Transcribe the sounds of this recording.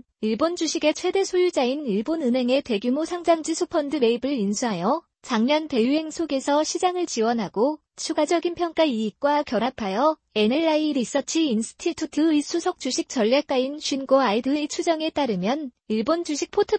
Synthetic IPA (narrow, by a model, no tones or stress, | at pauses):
iɭbond͡ʑuɕʰiɡe̞t͡ɕʰwe̞de̞sʰojud͡ʑainiɭbonɯnɦe̞ŋe̞te̞ɡjumosʰaŋd͡ʑaŋd͡ʑisʰopʰʌndɯme̞ibɯɭinsʰuɦajʌ | t͡ɕaŋɲʌnte̞juɦe̞ŋsʰoɡe̞sʰʌɕʰid͡ʑaŋɯɭt͡ɕiwʌnɦaɡo | t͡ɕʰuɡad͡ʑʌɡinpʰjʌŋk͈aiːk͈wakjʌɾapʰajʌ | e̞ne̞ɭaiɾis͈ʌt͡ɕʰiinsʰɯ̥tʰitʰutʰɯisʰusʰʌk̚t͡ɕ͈uɕʰik̚t͡ɕ͈ʌʎːak͈ainɕʰɥinɡoaidɯit͡ɕʰud͡ʑʌŋe̞t͈aɾɯmjʌn | iɭbond͡ʑuɕʰik̚pʰotʰɯ